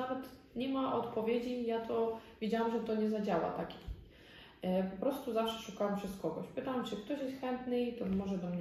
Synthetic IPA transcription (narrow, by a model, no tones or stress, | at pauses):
navɛt̪ | ɲɛmaʔɔt̪pɔvʲjed͡ʑijat̪ʰɔvʲed͡ʑawamʐɛt̪ɔɲɛzad͡ʑawa̰t̪akʲe̥ | pɔpɾɔst̪uzafʂɛ̥ʂukawɛmpʂɛskɔɡɔ̰ɕpɨt̪awamt͡ʂɨkt̪ɔɕjɛst̪xɛnt̪nɘit̪ɔmɔʐɛd̪ɔmɲ